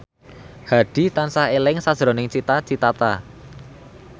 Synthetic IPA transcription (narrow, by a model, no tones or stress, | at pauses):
haɖ̥i̤t̪ansahelɪŋsad̥ʒ̥ɾo̤nɪŋt͡ʃit̪at͡ʃit̪at̪a̰